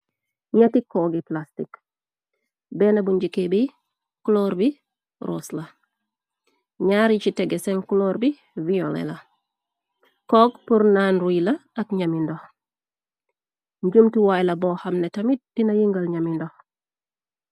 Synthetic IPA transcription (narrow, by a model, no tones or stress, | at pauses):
ɲatikoːɡiplastik | benabuɲɟikebi | kloɾbi | ɾo̰slɐ | ɲaɾit͡ʃiteɡeseŋkuloɾbi | violḛlɐ | koɡpuɾnanɾuilɐːkɲamindoh | ɲɟumtiwajlɐbohamnetɐmid̥inajiŋɡalɲamindoh